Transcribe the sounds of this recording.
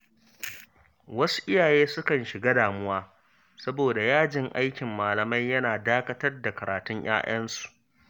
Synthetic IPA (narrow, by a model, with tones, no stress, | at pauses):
wɐ˦su̥˦ʔɪ˦jaː˨jeː˦sʊ˦kɐ˨nʃɪ˨ɡaː˦daː˨mʊ˦waː˦ | sɐ˦boː˨da˨jaː˦d͡ʒɪ˨ŋʔa˦jkʲɪ˨mːaː˨lɐ˨mɐ˦jjɐ˦naː˨daː˦kɐ˦tɐ˦rda˨kɐ˨ɾaː˨tʊ˦ɲj̰a̰ː˦ʔɐ˦nsu̥˨ʔ